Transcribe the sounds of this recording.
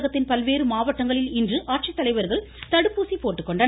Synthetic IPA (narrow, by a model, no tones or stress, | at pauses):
ɣɐt̪ːɪnpɐlʋeːɾɯmaːʋɐʈːɐŋɡɐɭɪlɪndrɯʔaːʈ̚t͡ʃɪt̪ːɐlɐɪʋɐɾɣɐɭ | t̪ɐɽɯpːuːsipoːʈːɯkːɔɳɖɐ